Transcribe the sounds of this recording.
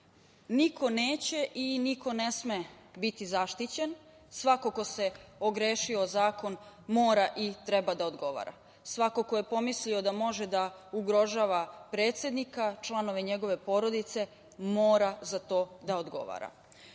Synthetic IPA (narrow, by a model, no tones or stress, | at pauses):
nikʰo̞neːt͡ɕe̞ʔiniko̞ne̞smebit̪izaʃt̪it͡ɕen | sʋako̞ko̞se̞oɡɾeːʃio̞zaːko̞nmoːɾaʔit̪ɾebad̪aod̪ɡo̞ʋa̰ːɾa̰ | sʋako̞ko̞je̞po̞mislio̞d̪amo̞ʒed̪auɡɾo̞ʒaːʋapɾe̞ːt̪sje̞d̪nikat͡ʃlˠano̞ʋeɲe̞ɡo̞ʋe̞po̞ɾo̞d̪it̪se̞ | moːɾazat̪o̞ːd̪aod̪ɡo̞̰ʋa̰ːɾa̰